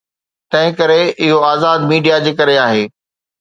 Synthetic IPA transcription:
t̪ɐ̃ɦɪ̃kɐɾeʔɪɦoaːzaːd̪miːɖijad͡ʑeːkɐɾeaːɦeː

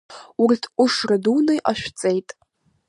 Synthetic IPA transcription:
urtʰʷuʂradunɨjʔaʃᶣt͡sʼe̞jtʼ

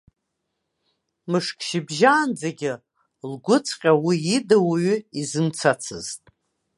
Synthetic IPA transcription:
mɨʂkʰʼʃɪbʒaːnd͡zaɡʲɪ | lɡʷʊt͡sʰqʲʼawiidawaɥʏizɨmt͡sʰat͡sʰɨ̰ztʼ

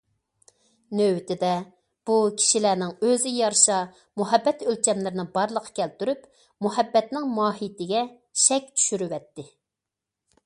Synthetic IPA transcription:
nøwt̪ɪd̪ɛ | b̥ukʲʰi̥ʃilænɪŋøzɪjɑɾʃɑ | muɦɛbːɛt̪ølt͡ʃʰʲɛmlɪɾɪnɪbɑɾlˠəqʰɑ̥kʲʰɛlt̪yɾyp | muɦɛbːɛt̪nɪŋmɑːɦit̪ɪɡʲɛ | ʃɛkʲt͡ʃʰy̥ʃyɾywɛt̪ːɪ

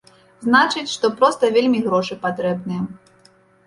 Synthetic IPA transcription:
znat͡ʂɨt͡sʲʂt̪ɔpɾɔst̪ɐvʲelʲmʲiɣɾɔʂɨpat̪ɾɛbnɨjɛ

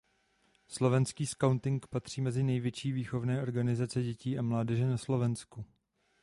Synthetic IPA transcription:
slo̞vɛnskiːskawnt̪ɪŋkpat̪r̝̥iːmɛzɪnɛjvjɛt͡ʃiːviːxo̞vnɛːʔo̞ɾɡanɪzat͡sɛɟɛciːʔamlaːdɛʒɛnaslo̞vɛnsku

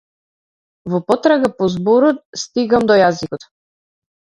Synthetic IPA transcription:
vɔpɔt̪ɾaɡapɔzbɔɾɔt̪̚st̪iɡamd̪ɔjazikɔt̪

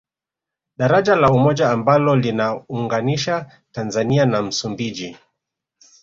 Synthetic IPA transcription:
ɗaɾaʄalaumɔʄaːmbalɔlinauŋɡaniʃa | tanzanianam̩sumbiʄi

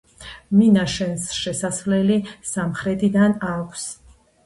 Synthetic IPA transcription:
minaʃɛnsʃɛsasvlɛlisamχɾɛt̪ʰid̪anakʷʰs

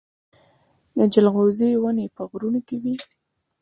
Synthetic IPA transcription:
d̪əd͡ʒəlɣozewənepəɣɾunokedi

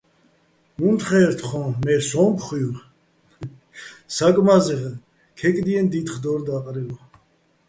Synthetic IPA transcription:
munt̪χɛːɾt̪ʰχɔ̃ːmɛɾsɔmpʰχujuɾ | sakʼmazɛʁɛ | kʰɛkʼd̪iɛnd̪it̪χd̪ɔɾd̪aqʼɾilɔ

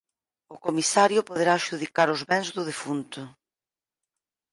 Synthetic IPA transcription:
ʊkomisaɾjʊpoðeɾaːʃuðikaɾʊzβɛŋzðʊðefunt̪ʊ

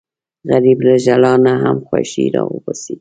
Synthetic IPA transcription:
ɣaɾiblaʒalɑnaɦamxwa̰ʃḭɾɑ̰wəbɑsi

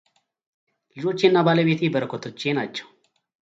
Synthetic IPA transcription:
lɨd͡ʒo̞t͡ʃːɪnːabaːləbeːt̪ʰibəɾəkɔt̪ʰot͡ʃːenat͡ʃːɛ̥w

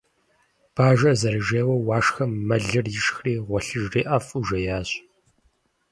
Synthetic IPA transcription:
b̥aːʒɐzɐɾɨʒeːwɐwɑːʂxɐmːɐɮɨrjɪʃxriːʁʷɔɬɨʒriːʔɐfʼuʒɐjaːɕ

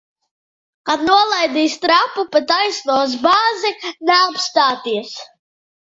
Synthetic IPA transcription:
kad̪nuɔlˠajd̪iːst̪ɾapupɛt̪ajsnuɔs̬baːzinɛapst̪aːt̪iɛs

